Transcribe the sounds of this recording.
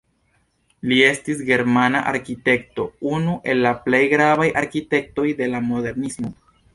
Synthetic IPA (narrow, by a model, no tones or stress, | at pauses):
lie̞stis̬ɡe̞ɾmanaʔa̰ɾkite̞kto̞unuʔe̞lːaple̞jɡɾavajʔaɾkite̞k̚to̞jde̞lamo̞de̞ɾnismo̞